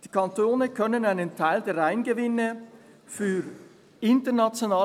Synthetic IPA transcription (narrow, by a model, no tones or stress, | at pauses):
d̥iːkʰɑntoːnəkʰœnənaɪnəntʰaɪldeːɐɾaɪnɡəvɪnə | fyːɾ | ɪntənat͡sjonaː